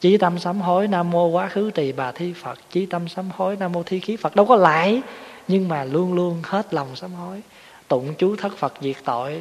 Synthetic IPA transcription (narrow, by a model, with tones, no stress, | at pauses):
t͡ɕi˨˦t̪ə˧msaː˨˦mɦo˨˦jnaː˧mo˧kwaː˨˦xɨ˨˦t͡ɕi˨˩ɓaː˨˩t̪ʰi˧fə˨˩t̚t͡ɕi˨˦t̪ə˧msaː˨˦mho˨˦jnaː˧mo˧t̪ʰi˧xi˨˦fə˨˩t̚ɗə˧wkɔ˨˦la̰ː˧˨jɲɨ˧ŋmaː˨˩lu˧ənlu˧ənhe˦˥t̚la˨˩wŋ͡msaː˨˦mho˨˦j | t̪ṵ˧˩˨ŋ͡mt͡ɕu˨˦t̪ʰə˦˥k̚fə˨˩t̚zi˨˩ək̚t̪o̰˧˨j